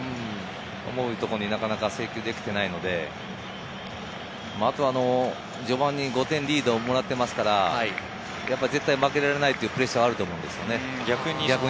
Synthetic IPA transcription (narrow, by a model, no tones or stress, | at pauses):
o̰mo̞ɯ̟t̪o̞koɲ̟inakanakase̞ːkʲo̞ːd̪e̞kʲi̥t̪e̞naino̞d̪e̞ | maːt̪o̞ano̞ | d͡ʑo̞bãɲ̟ːiɡo̞t̪ẽ̞nɾʲiːd̪oːmo̞ɾat̪ːe̞masɨ̥kaɾa | japːaze̞t̪ːaimake̞ɾaɾe̞nait̪ːojiɯ̟ːpɯ̟ɾe̞ɕɡaːɾɯt̪o̞ːmo̞ɯ̟nd̪e̞sɨjone̞ | ɡʲakɯɲɡʲaɯ